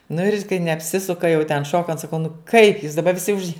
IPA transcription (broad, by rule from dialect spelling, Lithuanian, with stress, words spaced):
nʊ ɪr kɐɪ nʲɛɐpʲˈsʲɪsʊkɐ jɛʊ tʲɛn ˈʃoːkɐnt sɐˈkɐʊ nʊ kɐɪp juːs dɐˈbɐ ʋʲɪˈsʲɪ ʊʃ